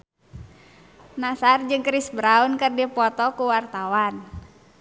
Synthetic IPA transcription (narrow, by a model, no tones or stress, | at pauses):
nasard͡ʒɨŋkɾisbɾaunkərdipɔt̪ɔkuwart̪awan